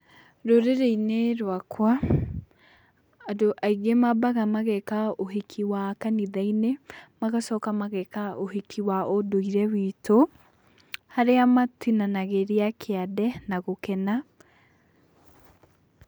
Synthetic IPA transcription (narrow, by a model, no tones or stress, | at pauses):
ɾoɾeɾeineɾwakwa | adoʔaiɡemabaɣamaɣɛkaoɦekʰiwakaniðainemaɣasɔkamaɣɛkaoɦekʰiwaʔodoiɾɛwito | haɾeamatinanaɣeɾiakʰeaðɛnaɣokɛna